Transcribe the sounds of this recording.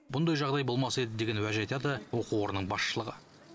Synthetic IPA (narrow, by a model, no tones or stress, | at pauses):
bʊnd̪ɑjʒɑʁd̪ɑjbo̞lˠmɑsəe̞d̪ɪd̪e̞ɡʲe̞nwæʒɑjt̪ɑd̪əwo̞quwoɾənəɴbɑsʃəlˠəʁə̰